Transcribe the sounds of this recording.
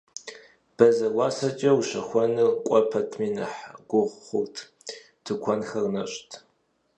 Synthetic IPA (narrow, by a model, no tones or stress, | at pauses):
b̥ɐzɐwɑːsɐt͡ʃʼɐwɕɐxʷɔnɨqʷʼɔpʰɐtʰmiːnɨ̰ħɡ̥ʷʊʁʷχʷʊrtʰ | tʰɨkʷʰɔnxɐrnɐɕʼtʰ